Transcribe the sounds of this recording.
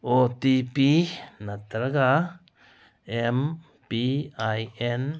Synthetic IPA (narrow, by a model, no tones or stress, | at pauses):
ot̪ipinat̪ɾaɡa | em | piajen